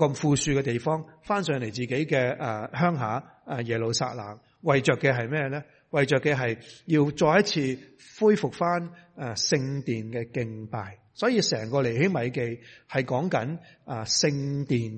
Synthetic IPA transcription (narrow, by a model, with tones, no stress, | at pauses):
kɐ˧mfuː˨˧syː˧kɛː˧t̪e˨jfɔː˥ŋfaː˥nsœː˨˧˩ŋle˨˩jt͡siː˨˩ke˨˥jkɛː˧ɐ˨˧ɦœː˥ŋɦaː˨˥˧ | jɛː˨˩lo˨wsa̰ː˧t̚la̰ː˨˩ŋ | wɐ˨jt͡ʃœː˨kːɛː˧ɦɐ˨jmɛː˥jlɛː˥ | wɐ˨jt͡ʃœː˨kːɛː˧ɦɐ˨jjiː˧wt͡ʃɔː˧jɐ˥t̚t͡sʰiː˧ | fuː˥jfʊ˨k̚faː˥na˧˩sɪ˧ŋt̪iː˨nkɛː˧kɪ˧ŋpaː˨j | sɔː˨˥jiː˧sɛː˨˩ŋkɔː˧le˨˩jhɪ˥ŋmɐ˨jke˧jhɐ˨jkɔː˨˥ŋkɐ˨˥na˨˧sɪ˧ŋt̪iː˨˩n